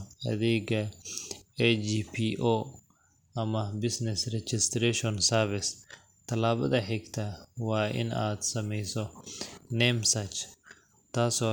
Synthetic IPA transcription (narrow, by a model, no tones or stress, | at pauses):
ɐ̰ðɛjɡɐ | ɛd͡ʒiːpʰiʔoː | ɐmɐbɪsnɛsrɛt͡ʃɪst̪ɾɛʃɔnsɐɾfɪs | t̪ʰɐlaːβɐ̰ðɐħɛɡt̪ʰɐwɑːʔɪ̰na̰ːd̪sɐmɛjsɔnɛmsɐt͡ʃ | t̪ʰaːsɔː